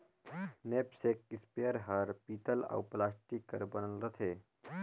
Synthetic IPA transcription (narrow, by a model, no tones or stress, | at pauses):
neːpsek̚ispeəɾɦəɾpiːt̪əla̰wplaːsʈikəɾbənəlɾət̪ʰeː